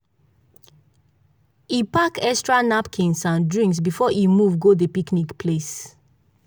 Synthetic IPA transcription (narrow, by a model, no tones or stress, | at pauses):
ipakɛstɹanapkʰĩnsãndɹĩŋksbifɔʔimuvɡodəpiknikpʰles